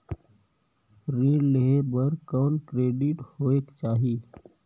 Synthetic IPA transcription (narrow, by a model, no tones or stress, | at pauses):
ɾeːɖleɦebəɾkɔːnkɾeːɖɪʈhoːeːkt͡ʃaːɦiː